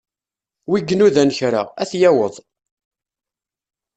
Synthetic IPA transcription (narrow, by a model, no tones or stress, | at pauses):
wiɡːənuðænəçɾa̰æθjæwəðˤ